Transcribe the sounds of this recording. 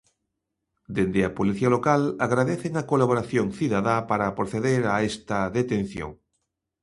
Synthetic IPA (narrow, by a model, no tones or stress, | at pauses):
d̪end̪eapoliθialokalaɣɾaðeθeŋakolaβoɾaθjoŋθiðaðapaɾapɾoθeðeɾaest̪ɐðet̪ẽn̟θjo̰ŋ